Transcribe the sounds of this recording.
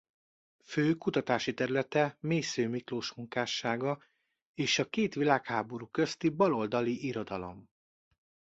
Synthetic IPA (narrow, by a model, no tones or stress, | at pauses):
føːkut̪ɒt̪aːʃit̪ɛɾylɛt̪ɛmeːsøːmikloːʃmuŋkaːʃaːɡɒ | eːʃɒkeːt̪ʋilaːkhaːbo̞ɾuːkø̞st̪ibɒlo̞ld̪ɒliʔiɾo̞d̪ɒlo̞̰m